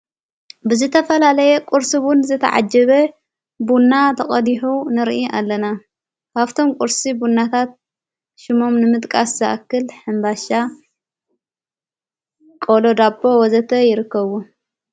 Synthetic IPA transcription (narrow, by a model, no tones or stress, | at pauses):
bɨzɨt̪ʰɐfɐlalɐjɛkʼuɾsɨwʊnzɨt̪ʰɐ̰ʕa̰d͡ʒɐβɐ | bunːat̪ʰɐχʼɐd̪iħunɨɾʔiʔa̰lːɐna | kʰaβt̪ʰo̞mkʷʼuɾsibunːat̪ʰat̪̚ | ʃɪmo̞mnɨmɨt̪ʼkʼaszɐʔa̰kːɨlħɨmbaʃa | kʼolod̪abo̞wɔzɐt̪ʰɐjɪɾɨkːɐβu